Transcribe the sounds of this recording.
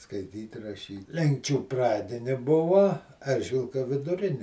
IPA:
skɐɪˈtʲiːtʲ rɐˈʃʲiːtʲ ˈlʲɛŋkt͡ʃʲuː ˈprɑːdʲɪnʲɪ ˈbʊʋɐ ˈɛrʲʒʲʋʲɪlˠkɐ ʋʲɪdʊˈrʲɪnʲɪ

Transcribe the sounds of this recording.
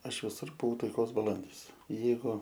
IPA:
ˈɐʃ ʋʲɪˈsʊr bʊˈʋɐʊ tɐɪˈkoːs bɐˈlˠɐnʲdʲiːs ˈjɛɪɡʊ

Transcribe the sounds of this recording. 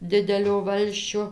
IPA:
ˈdʲɪdʲɛlʲoː ˈʋɐlʲsʲt͡ʃʲoː

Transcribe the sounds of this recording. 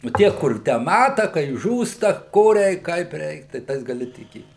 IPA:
nʊ ˈtʲiɛ kʊr ˈtʲæː ˈmɑːtɐ kɐɪ ˈʒuːstɐ ˈkoː ˈrʲɛɪk ˈkɐɪp ˈrʲɛɪk tɐɪ ˈtɐɪs ɡɐˈlʲɪ tʲɪˈkʲeːt

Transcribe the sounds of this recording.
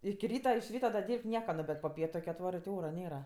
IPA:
ɪkʲɪ ˈrʲiːtɐ ɪʃ ˈrʲiːtɐ dɐ ˈdʲiːrʲpʲtʲ ˈnʲiɛkɐ noː bʲɛt poː ˈpʲiɛtʊ kɜ ɐtˈʋɑːrɜ tʲɪ ˈoːrɐ ˈnʲeːrɐ

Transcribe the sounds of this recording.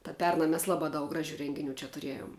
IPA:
tɐ ˈpʲɛrnɐ mʲɛs ˈlˠɑːˌbɑː dɐʊk ˈɡrɑːˌʒʲʊ ˈrʲɛŋʲɡʲɪnʲʊ t͡ʃʲɛ tʊˈrʲiɛjoːm

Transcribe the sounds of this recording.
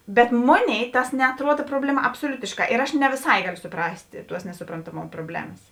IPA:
bʲɛt ˈmoːˌnʲeːɪ ˈtɐs nʲɛɐtˈruɔt ˈproːbʲlʲɛˌmɐ ɐpsoːˈlʲʊtʲɪʃˌkɑː ɪr ˈɐʃ nʲɛ ʋʲɪˈsɐɪ ˈɡɑːlʲoː sʊˈprɐsʲtʲ ˈtuɔs nʲɛsʊprɐntɐˈmoːm proːˈbʲlʲæːmɐs

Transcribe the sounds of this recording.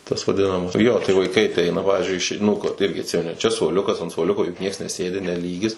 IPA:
tɐs ʋɐˈdʲɪnɐmɐs ˈjoː tɐɪ ʋɐɪˈkɐɪ ɐˈtʲɛɪnɐ ˈpɑːʋʲɪzʲd͡ʒʲʊɪ ˈɪʃʲɛɪ ˈnuː koː ˈɪrʲɡʲɪ ɐtʲˈsʲɪmʲɛnʲɪ ˈt͡ʃʲɛ suɔˈlʲʊkɐs ɐnt suɔˈlʲʊkoː jʊk ˈnʲiɛks nʲɛˈsʲeːdʲɪ nʲɛ ˈlʲiːɡʲɪs

